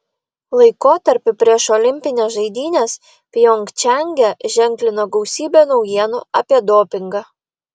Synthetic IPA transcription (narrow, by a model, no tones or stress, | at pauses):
lˠɐɪkoːt̪ɐɾʲpʲɪpʲɾʲiɛʃɔlʲɪmʲpʲɪnʲeːsʒɐɪd̪ʲiːnʲeːs | pʲjoŋʲkt͡ʃʲɛŋʲɡʲɛʒʲɛŋʲklʲɪnoːɡɒʊsʲiːbʲoːnɒʊjiɛno̰ːɐpʲiɛd̪oːpʲɪŋɡɑː